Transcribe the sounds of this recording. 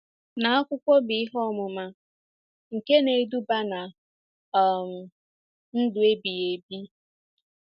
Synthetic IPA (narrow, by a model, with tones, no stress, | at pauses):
na˨a˦kʷʊ˦kʷɔ˦bɪ˨˦ɪ˦ɦɔ˦˨mʊ˨ma˨ | ŋ̩˨ke˦ne˨˦du˦ba˦na˨ | m̩˨ | n̩˦dʊ˨e˦bi˨je˨bi˦